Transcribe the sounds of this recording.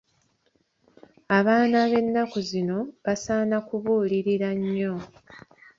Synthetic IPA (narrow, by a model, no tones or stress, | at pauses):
aβaːnaβe̞nːakuzino̞βasaːnakuβuːliɾiɾaɲːo̞